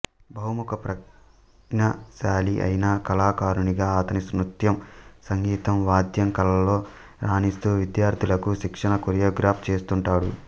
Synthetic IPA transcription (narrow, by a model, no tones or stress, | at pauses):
bʱɐɦumukɐpɾɐ | nɐʃaːliʔɐ̰jnaːkɐlaːkaːɾuniɡaːɐt̪ɐnismɾut̪jɐmsɐŋɡiːt̪ɐmʋaːd̪ʱjɐŋkɐlɐlːo̞ː | ɾaːnist̪uːʋid̪jaːɾd̪ʱilɐkuʃikʂɐɳɐkoɾijoːɡɾaːp̚ʰt͡ʃe̞ːst̪uɳʈaːɽṵ